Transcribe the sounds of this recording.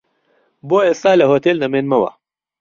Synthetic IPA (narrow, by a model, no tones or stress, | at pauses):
boːestaːlɐɦot̪eːlnɐmenmɐwɐ̰